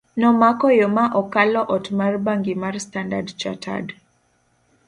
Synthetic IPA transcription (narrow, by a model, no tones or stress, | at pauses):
nɔmakɔjɔmaʔɔkalɔʔɔtmarbaŋɡimarstandadt͡ʃa̰tʰa̰d